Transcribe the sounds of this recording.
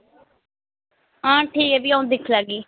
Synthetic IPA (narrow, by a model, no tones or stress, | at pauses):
ãːʈʰiːkeːbiːaũnd̪ɪkʰlaːɡiː